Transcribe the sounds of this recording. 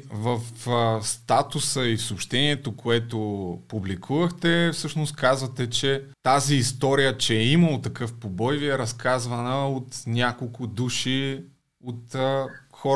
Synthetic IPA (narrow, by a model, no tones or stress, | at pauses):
vəfst̪at̪ʊsəifsoːpʃt̪ɛniɛt̪okʰoɛt̪opublikʰuvəxt̪ɛfsɤʃnʊst̪kazvət̪ɛt͡ʃɛt̪aziːst̪ɔɾijət͡ʃɛiməlˠot̪ɐkɤfpobɔjviɛɾɐskazvɐnəot̪nʲakolˠkʊd̪uʃi | ot̪xɔ